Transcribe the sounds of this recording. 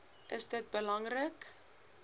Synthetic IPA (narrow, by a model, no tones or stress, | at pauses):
ʔəsdət̚bəlɐŋrək